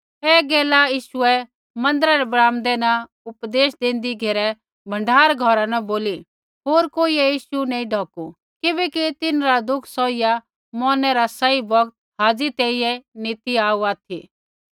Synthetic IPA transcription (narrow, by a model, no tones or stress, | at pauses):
ɛːɡɛːlajiːʃʊɛ | mɐ̃nd̪əɾaɾɛbɾaːmd̪ɛna | ʊpd̪eːʃd̪ẽːnd̪iɡʱeːɾɛ | bʱɐ̃ɳɖʱaːɾɡʱɔɾanɐboːli | ɦoːɾkoːiɛjiːʃunɛ̃ĩɖʱɔːku | kɪbɛkit̪ɪnɾad̪ʊkʰsɔːija | mɔːnɛɾasɐibɔɡt̪̚ | ɦaːd͡zit̪ɛiɛniːt̪iaːuaːt̪ʰḭ